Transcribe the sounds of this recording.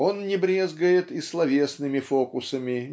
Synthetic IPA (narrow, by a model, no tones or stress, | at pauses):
o̞nnʲɪbɾʲezɡəjɪt̪islˠɐvʲe̞snɨmʲɪfokʊsəmʲɪ